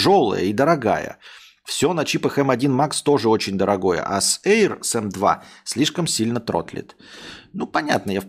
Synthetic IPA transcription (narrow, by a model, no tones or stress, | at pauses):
ʐolˠə̰jə̰id̪əɾɐɡa̰jə̰ | fsʲo̞nɐt͡ɕipəxɛmɐdʲinmakst̪o̞ʐɨo̞t͡ɕɪnʲd̪əɾɐɡo̞jə̰ʔasejrsɛmd̪va̰sʲlʲiʂkəmsʲilʲnət̪ɾo̰t̪lʲɪ̰t̪nupɐnʲat̪̚nəja